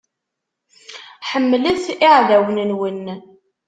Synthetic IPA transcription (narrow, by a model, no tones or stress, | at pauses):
ħəmːlæθiʕðæwnənwən